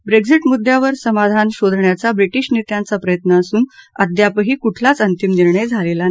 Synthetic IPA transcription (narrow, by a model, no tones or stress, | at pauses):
bɾeɡsiʈmud̪ʱjaʋəɾsəmad̪ʱanɕod̪ʱɳjat͡sabɾiʈiɕnit̪jant͡sapɾəjət̪nəːsuːnəd̪japəɦiːkuʈʰlat͡sənt̪imniɾɳəjd͡zʱalela